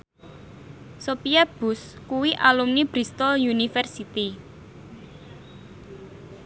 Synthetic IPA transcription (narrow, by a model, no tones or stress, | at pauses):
sopiab̥ʊ̤skuwiʔalumnib̥ɾist̪ɔljunifɛrsit̪i